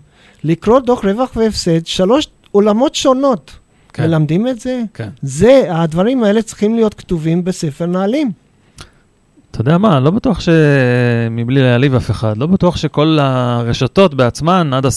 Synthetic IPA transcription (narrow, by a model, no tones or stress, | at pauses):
likʁo̞d̪o̞χʁe̞vaχveːfsed̪ʃalo̞ʃ | olamo̞tʃo̞no̞t̪ | melamd̪imetze̞kzead̪vaʁimae̞le̞t͡sʁi̥χimlijo̞t̪kt̪uvimbese̞fe̞ʁnaːlim | t̪ood̪eamalobatuaχʃe̞ | miblilealivafe̞χad̪lo̞batuaχʃeko̞laʁeʃato̞tbeat͡smanad̪a